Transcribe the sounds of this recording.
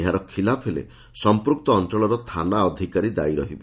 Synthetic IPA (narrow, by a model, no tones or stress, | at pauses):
eɦaɾɔkʰilapʰɦelḛ | sɔmpɾuk̚t̪ɔːnt͡ʃɔɭɔɾɔt̪ʰanaɔd̪ʱikaɾid̪aiɾɔɦibe